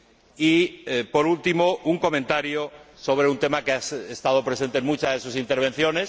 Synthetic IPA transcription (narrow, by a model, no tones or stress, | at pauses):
ipo̞ɾult̪imo̞ʔuŋko̞mẽnt̪aɾjoso̞β̞ɾe̞unt̪e̞makeasest̪að̞o̞pɾese̞nt̪enmut͡ʃazðe̞susint̪e̞ɾβ̞ẽ̞n̟θjo̞ne̞s